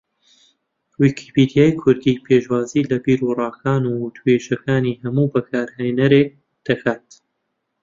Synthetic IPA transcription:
wiːkʰipid̪jaːjkʰʊɾd̪iːpʰeːʃwaːziːlɐbiːɾurɑːkʰaːnuːwʊt̪ʰueːʒɐkʰaːniːhɐmuːbɐkʰaːɾhejnɐɾeːk̚ | d̪̥ɐkʰaːt̪

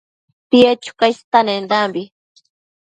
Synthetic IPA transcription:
piet͡ʃu̥kajst̪anend̪ambi

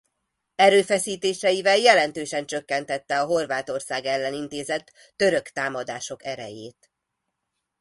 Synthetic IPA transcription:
ɛɾøːfɛsiːt̪eːʃɛjivɛljɛlɛn̪t̪øːʃɛnt͡ʃøkːɛnt̪ɛt̪ːɛɒɦo̞rvaːt̪o̞rsaːɡɛlːɛnint̪eːzɛt̪ː | ø̞ɾø̞kt̪aːmɒd̪aːʃo̞kɛɾɛ̰jeːt̪

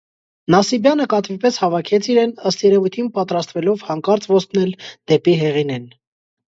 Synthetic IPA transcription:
nɑsibjɑnəkɑt̪vipɛshɑvɑkʰɛt͡sʰiɾɛnəst̪jɛɾɛvujt̪ʰinpɑt̪ɾɑst̪vɛlɔvhɑŋkɑɾt͡svɔst̪nɛld̪̥ɛpiɦɛʁinɛn

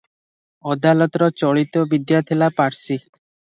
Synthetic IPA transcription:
ɔd̪alɔt̪ɔɾɔt͡ʃɔɭit̪ɔbid̪jat̪ʰelapaɾsi

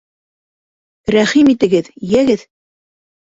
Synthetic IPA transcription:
ɾæχimit̪ɘ̆ɡɘðjæɡɘð

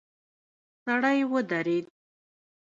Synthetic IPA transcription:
saɽəjwəd̪aɾed̪̚

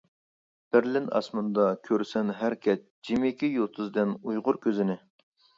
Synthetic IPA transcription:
b̥ɪɾlɪnɑ̰smɨnd̪ɑkʲʰøɾsɛnɦæɾkʲʰɛt̪̚d͡ʒimɪkʲijot̪ʰɨzd̪ɪnujʁʊɾkʲʰøzɪnɪ

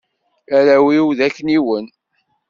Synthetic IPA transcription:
æɾæwiwðækːniwən

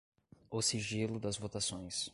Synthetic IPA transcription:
ʊsiʒilʊd̪ɐzvot̪asõj̃s

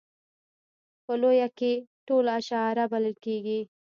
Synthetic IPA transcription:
pəlojakeʈolaʃɑɾabaləlkeɡi

